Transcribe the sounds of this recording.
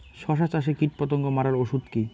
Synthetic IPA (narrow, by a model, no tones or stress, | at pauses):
ʃɔʃ̬at͡ɕaʃ̬ekiʈ̚pɔt̪oŋɡomaɾaɾoʃud̪ki